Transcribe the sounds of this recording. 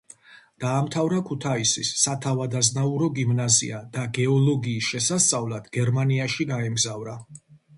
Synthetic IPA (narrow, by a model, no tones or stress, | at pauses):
d̪̥aːmt̪ʰavɾakʰut̪ʰaisḭsːat̪ʰavad̪aznauɾɔɡimnazḭad̪̥aɡɛɔlɔɡiːsʃɛsast̪sʼavlad̪̥ɡɛɾmaniaʃiɡaɛmɡzavɾa